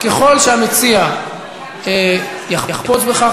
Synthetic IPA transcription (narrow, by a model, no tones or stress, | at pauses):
keχo̞lʃeamet͡sia | e | jaχjaχpo̞t͡sbeχa